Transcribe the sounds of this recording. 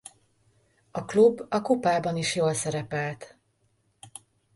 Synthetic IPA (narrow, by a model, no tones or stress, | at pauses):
ɒklubːɒkopaːbɒniʃjoːlsɛɾɛpɛlt̪